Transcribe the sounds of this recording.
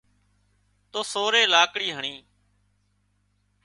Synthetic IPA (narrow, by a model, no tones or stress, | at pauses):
t̪oːsoːɾeːlaːkɽiːɦəɳiː